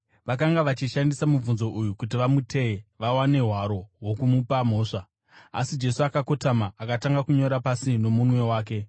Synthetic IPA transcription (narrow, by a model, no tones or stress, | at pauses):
ʋakaŋɡaʋat͡ʃiʃandisamub͡vunzo̞ʔujukut̬iʋamutʰe̞eʋawane̞ɦwaɾo̞wo̞kumupam̤o̞ːʂa | a̰sid͡ʒe̞suakako̞tamaakataŋɡakuɲo̞ɾapasino̞munwe̞waːk̬e̞